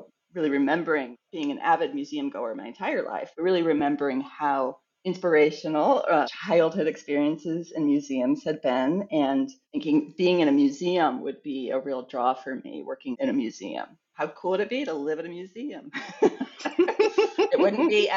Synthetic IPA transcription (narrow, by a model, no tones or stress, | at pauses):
ɹɪlˠiɹɨmɛ̃mbə˞ɪ̃ŋb̥iɪ̃ŋɨ̃nʔæ̰vɨd̚mjʉziɨ̃mɡoʊə̃˞nma̰ɪɨ̃ntʰaɪə˞la̰ɪfb̥ʌt̚ɹɪlˠiɹɨmɛ̃mbə˞ɪ̃ŋhaʊ | ɪ̃nspə˞eɪʃɨnl̩ˠt͡ʃʰaɪl̩ˠd̚hʊɾɨkspɪɹiɨ̃nsɪzɨ̃nmjʉziɨ̃mz̥hɨd̚bɛ̃nɨ̃nθɪ̃ŋkɪ̃ŋb̥iɪ̃ŋɨ̃ñɨmjʉziə̃mwə̰d̚biɨ̰ɹilˠdɹɔfə˞mḭwɜ˞kɪ̃ŋɨ̃ñɨmjʉzḭɨ̰̃m | haʊkʰulˠəɾɨt̚b̥iɾəlɪvɨɾɨmjʉziɨ̃m | ɨt̚wʊdⁿn̩b̥i